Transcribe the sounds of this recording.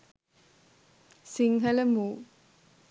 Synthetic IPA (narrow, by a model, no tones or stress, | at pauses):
siŋɦɐlɐmuː